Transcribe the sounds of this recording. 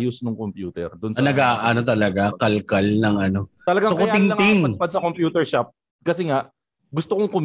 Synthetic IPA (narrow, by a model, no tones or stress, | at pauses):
jʊsnʊŋkompjuːt̪ɛ̰ɾd̪ʊnsɐnɐɡaːʔɐnot̪ɐlɐɡakɐlkɐlnɐŋʔɐno̞t̪ɐlɐɡaŋokot̪ɪŋlɐŋt̪iŋɐpɐd̪sɐkompjuːt̪ɛɹʃap̚ | kɐsɛŋaʔ | ɡʊst̪okoŋkʊm